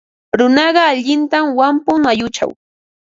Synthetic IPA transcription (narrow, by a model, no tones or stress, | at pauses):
ɾʊnɑɢɑaʎɪnt̪amwampʊŋajʊt͡ʃa̰w